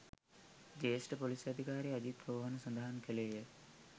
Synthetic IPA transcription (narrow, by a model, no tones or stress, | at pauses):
d͡ʒeːsʈəpolisɐd̪ʱikaːɾiad͡ʑit̪boʋəʋanəsond̪aɦankəleːjə